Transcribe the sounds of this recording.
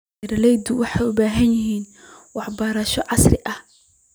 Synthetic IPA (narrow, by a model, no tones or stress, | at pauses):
ɾɐlɛjd̪ʊwɑħɑjʊbaːɦɐnjɪɦiːn | wɑħbɐːɾɐʃɔʕɑsrɪʔɐh